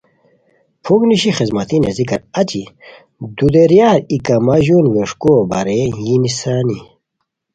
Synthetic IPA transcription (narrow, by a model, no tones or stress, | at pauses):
pʰuɡniɕixizmɐt̪inḛzikɐɾɐt͡ɕi | d̪ud̪eɾjaːɾikɐmɐʑunweʂkobɐ̰ɾejinisaːni